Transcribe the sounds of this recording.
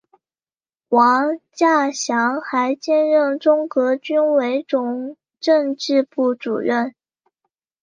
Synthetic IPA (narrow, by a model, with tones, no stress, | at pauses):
wɑ˧˥ŋt͡ɕja˥˩ɕjɑ˧˥ŋxa˧˥ɪt͡ɕjɛ˥˧nɻə˥˩nʈ͡ʂʊ˥ŋkɤ˧˥t͡ɕy˥nwe˧˥ɪʈ͡ʂʊ˨˩ŋ | ʈ͡ʂɤ˥˧ŋʈ͡ʂɻ̩˥˧pu˥˩ʈ͡ʂṵ˨˩ɻə˥˩n